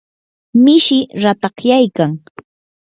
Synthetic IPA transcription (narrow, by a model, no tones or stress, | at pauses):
mɪʃɪɾat̪ɑχjajkaŋ